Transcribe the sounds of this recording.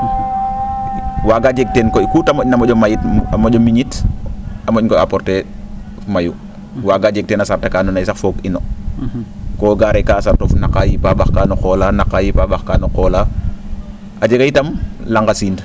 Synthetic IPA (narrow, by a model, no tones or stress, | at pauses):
waːɡad͡ʒɛk̚tɛnkɔkutamɔɟnamɔɟɔmajitamɔɟɔmiɲit | amɔckɔa̰pɔɾtɛ | maju | waːɡad͡ʒɛk̚tɛːnasaɾtakaːnɔnajsakfɔkinɔ | kɔːɡaɾɛkaːsartɔfnakːajipaːbaxkaːnɔxɔlanaqajipabaxkaːnɔqɔːla | ʔad͡ʒɛɡajitɐmlaŋɡasiːnd